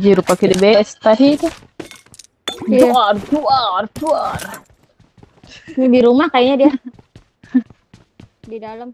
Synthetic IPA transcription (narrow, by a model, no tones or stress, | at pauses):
d͡ʒiɾupakidɛbest̪aɦit̪u | d͡ʒuard͡ʒuart͡ʃuar | biɾumahkajiɲadia | didaləm